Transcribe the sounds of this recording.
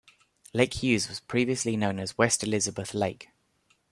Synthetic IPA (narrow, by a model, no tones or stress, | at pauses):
leɪkhjʉːzwɒz̥pʰɹ̥iːviəslinə̃ʊ̃nəzwɛstɪlɪzəbəθleɪk